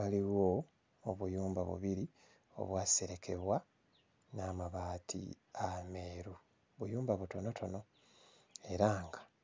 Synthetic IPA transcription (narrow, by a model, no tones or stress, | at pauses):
βaliwo | oβujuːmbaβṵβiɾi | o̰βwaːse̞ɾe̞kʰe̞βwa | naːmaβaːtʰḭ | ame̞ːɾu | βujuːmbaβuto̞no̞tʰo̞no̞ | e̞ɾaːŋɡḁ